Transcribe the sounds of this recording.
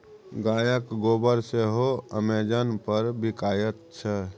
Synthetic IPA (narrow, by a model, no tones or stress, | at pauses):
ɡaːjəkɡoːbəɾseɦoəmeːd͡ʒənpəɾbɪkaːjət̪̚t͡ʃʰɛ